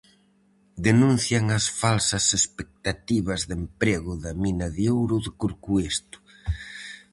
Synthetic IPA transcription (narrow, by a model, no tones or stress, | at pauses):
d̪enũnθjɐŋɐsfalsɐsespek̚t̪at̪iβ̞ɐzðempɾeɣʊðɐminɐðjowɾʊðɪkuɾkuest̪ʊ̥